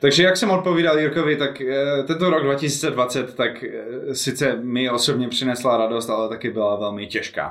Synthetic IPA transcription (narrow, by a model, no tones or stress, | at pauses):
t̪aɡʒɛjaksɛmot̪po̞viːdaljʊɾkovɪt̪akt̪ɛnt̪oɾoɡ̚dvacɪsiːt͡sɛdvat͡sɛt̪ːaksɪt͡sɛmɪosobɲɛpr̝̥ɪnɛslaɾado̞st̪alɛt̪akɪbɪlavɛlmɪcɛʃka̰ː